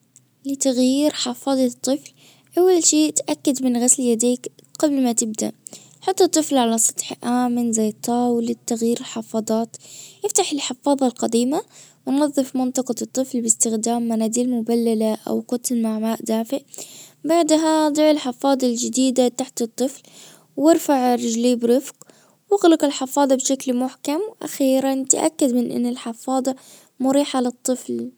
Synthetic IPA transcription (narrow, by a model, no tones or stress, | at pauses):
lɪt̪aɣjjiːɾħɑfɑːd̪ˤɑt̪ˤːɨfl | ʔawːalʃiːt̪ʔakːad̪mɪnɣasljad̪iːkqablmat̪ɪb̚d̪a̰ʔ | ħɑt̪ˤːɨt̪ˤːɨflʕalasˤɑ̥t̪ˤħʔaːmɪnzajːt̪ˤːɑːwlɪt̪ːaɣjiːɾɪlħɑfɑːðˤɑːt̪jɪft̪aħɪlħɪfɑːðˤɑlqɑd̪iːmawɪnɑðˤːɨfmɪnt̪ˤɑqɑt̪ˤːɨflbɪst̪ɪxd̪aːmːanaːd̪iːlmʊbalːalaʔa̰wqʊt̪lmaʕmaːʔd̪aːfɪʔbaʕd̪ɦad̪ˤɪʕɪlħɪfɑːd̪ˤɑld͡ʒɪd̪iːd̪at̪aħt̪ɨt̪ˤːɨfl | wɪɾfaʕɾɪd͡ʒliːbɾɪfq | wɪɣlɪqɪlħɪfɑːd̪ˤɑbʃaklmʊħkamwʔa̰xiːɾant̪aʔa̰kːad̪mɪnʔɪ̰nːɪlħɪfɑːd̪ˤɑ | mʊɾiːħalɨt̪ˤːɨfl